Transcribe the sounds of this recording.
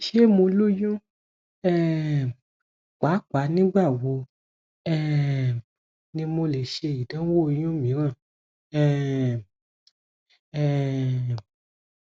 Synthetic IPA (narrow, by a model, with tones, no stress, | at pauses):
ʃe˦mõ˧lo˦jũ˦ | ɛ˦˨ | k͡pa˨˦k͡pa˨˦nĩ˦ɡ͡ba˦˨wo˨˦ | ɛ˦˧˨ | nĩ˧mo˧le˨ʃe˧i˨dã˨˦wo˦˧j̃ũ˦mĩ˨˦ɾ̃ã˦˨ | ɛ˦˨ | ɛ˨